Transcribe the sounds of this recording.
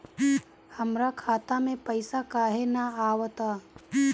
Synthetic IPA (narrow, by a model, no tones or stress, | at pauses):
hɐmɾakʰaːt̪amẽpəɪsakaːɦenaaːwt̪aː